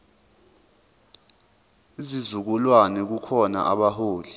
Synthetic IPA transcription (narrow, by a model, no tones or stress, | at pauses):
izizuk̬ulwanɛk̬ukʰɔna̰ʔaɓaɦoːli